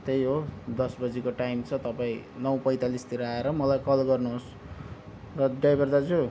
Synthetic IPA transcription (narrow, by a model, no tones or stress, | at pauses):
t̪ejɦod̪ʌsbʌd͡zikoʈajmt͡sʰʌt̪ʌpaĩnʌwpʌjt̪alist̪iɾaeɾʌmʌlajkʌlɡʌrnuɦos | rʌɖajbʌrd̪ad͡zu